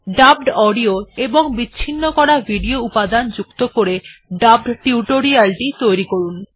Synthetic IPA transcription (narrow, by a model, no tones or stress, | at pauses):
ɖab̚ɖɔɖioeboŋbiːɕʰinːokɔɽabʱiɖioupad̪and͡ʑukt̪okoɾeɖab̚ɖʈiuʈoɾialʈit̪ojɾikoɾun